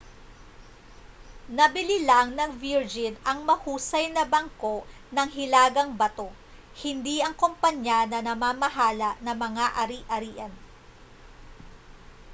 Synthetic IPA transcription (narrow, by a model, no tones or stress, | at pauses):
nɐbɪlɪlaŋnɐŋviɹd͡ʒɪnɐŋmɐhuːsɐjnɐbɐŋko̞ʔ | nɐŋɦɪlaːɡɐŋbɐt̪o̞ | hɪnd̪iʔɐŋkompɐɲanɐnɐmaːmɐɦaːlɐʔnɐmɐŋaʔɐɾiʔɐɾiːʔɐn